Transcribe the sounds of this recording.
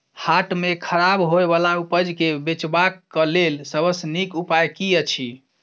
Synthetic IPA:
haʈmekʰəɾabɦoebalaupəd͡ʒkebet͡ʃbakːəlelsəbəsnikupajkiət͡ʃʰi

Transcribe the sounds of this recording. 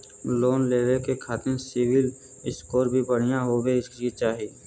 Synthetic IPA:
loːnleːɾekekʰaːt̪ɪɾsɪwɪl | ɪskoːɾbʱibəɽ̤ijãɦobeɪsit͡ʃaːɦieː

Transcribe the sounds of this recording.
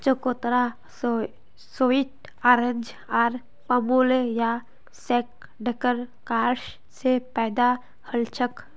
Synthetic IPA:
t͡ʃəkot̪ɾa | soːiʈ | aːɾə̃ɲd͡ʒ | aːɾ | pəmuleja | seːk̚ | ɖʱəkəɾkaːɾʃ | sepɛːd̪a | həlt͡ʃʰək

